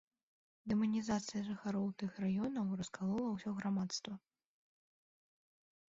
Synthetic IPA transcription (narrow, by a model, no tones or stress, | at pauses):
d̪ɛmɐnʲizat̪sɨjɐʐɨxaɾɔwt̪ɨxrajɔnɐwrɐskalˠɔlˠɐwsʲɔɣɾamat̪st̪vɐ